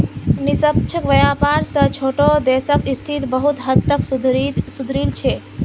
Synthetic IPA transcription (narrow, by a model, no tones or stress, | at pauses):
nisəp̚t͡ʃʰəkʋəjapaɾsə̃t͡ʃʰoʈod̪esəkist̪ʰit̪bəɦut̪ɦət̪ːəksud̪ʱɾisud̪ʱɾilt͡ʃʰe